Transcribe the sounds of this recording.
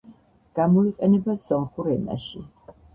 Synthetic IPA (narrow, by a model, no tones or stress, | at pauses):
ɡ̥amɔiqʼɛnɛbasɔnχuɾɛna̰ʃḭ